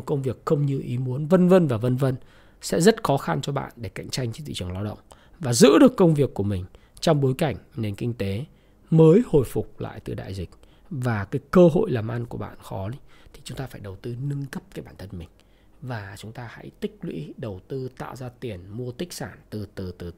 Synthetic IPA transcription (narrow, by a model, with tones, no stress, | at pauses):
kə˧wŋ͡mvi˨˩əkxə˧wŋ͡mɲɨ˧ʔi˨˦mu˨˦ənvə˧nvə˧nvaː˨˩və˧nvə˧n | sɛ̰˧˥zə˦˥t̚xɔ˨˦xa˧nt͡ɕɔ˧ɓa̰ː˧˨nɗe˧˩ka̰˧˨jŋ̟t͡ɕa˧jŋ̟t͡ɕt̪ḭ˧˨t͡ɕɨ˨˩əŋla˧wɗə̰˧˨wŋ͡m | vaː˨˩zɨ̰˧˥ɗɨ˨˩əkːə˧wŋ͡mvi˨˩əkːu˧˩əmï˨˩ŋ̟ | t͡ɕɔ˧wŋ͡mɓo˨˦jka˧˩jŋ̟ne˨˩nkï˧ŋ̟t̪e˨˦ | məː˨˦jho̰˧˨jfʊ˨˩k͡p̚la̰ː˧˨jt̪ɨ˨˩ɗa̰ː˧˨jzï˨˩k̟̚ | vaː˨˩kaː˨˦jkəː˧ɦo̰˧˨jlaː˨˩mʔa˧nku˧˩əɓa̰ː˧˨nxɔ˨˦i˨˦t̪ʰi˨˩t͡ɕʊ˨˦ŋ͡mt̪aː˧faː˧˩jɗə˨˩wt̪ɨ˧nɨ˧ŋkə˦˥p̚kaː˨˦jɓaː˧˩nt̪ʰə˧nmï˨˩ŋ̟ | vaː˨˩t͡ɕʊ˨˦ŋ͡mt̪aː˧ha̰˧˥jt̪ï˦˥k̚lwḭ˧˥ɗə˨˩wt̪ɨ˧t̪a̰ː˧˨wzaː˧t̪i˨˩ənmu˧ət̪ï˦˥k̟̚saː˧˩nt̪ɨ˨˩t̪ɨ˨˩t̪ɨ˨˩